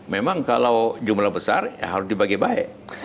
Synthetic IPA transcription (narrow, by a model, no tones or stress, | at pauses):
memaŋkalawd͡ʒumlahbəsa̰rja̰ɦaɾʊsdibaɡajbaɛ̰ʔ